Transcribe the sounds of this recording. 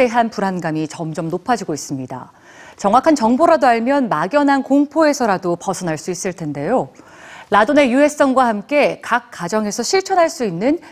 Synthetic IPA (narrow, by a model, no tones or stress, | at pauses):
e̞ɦanpuɾanɡamit͡ɕʌmd͡ʑʌmnopʰad͡ʑiɡois͈ɯmɲida̰ | t͡ɕʌŋwakʰant͡ɕʌŋboɾadoaɭmjʌnmaɡjʌnɦankoŋpʰoe̞sʰʌɾadopʌsʰʌnaɭs͈uis͈ɯɭtʰende̞jo | ladone̞jue̞s͈ʌŋɡwahamk͈e̞kak̚k͈ːad͡ʑʌŋe̞sʰʌɕʰiɭt͡ɕʰʌnɦaɭs͈uinːɯn